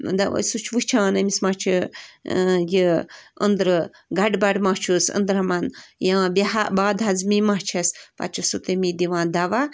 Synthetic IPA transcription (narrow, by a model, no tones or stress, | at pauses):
d̪aʋɐ̰sut͡ʃʰʋut͡ʃʰaanɐmismat͡ʃʰi | jiənd̪ɾɨ | ɡaɖbaɖmat͡ʃʰusə̰̃nd̪ɾamanjaãbiɦabaːd̪ɦazmimat͡ʃʰɐspa̰t͡ʃʰusut̪emid̪iʋãːd̪aʋa